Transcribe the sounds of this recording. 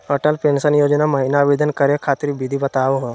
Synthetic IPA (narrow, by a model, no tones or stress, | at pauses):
əʈəlpeːnsənjoːd͡ʒnamɐɦiɪnaʋeːd̪ənkɐɾekʰaːt̪ɾibid̪ʱibɐt̪aːʋoɦo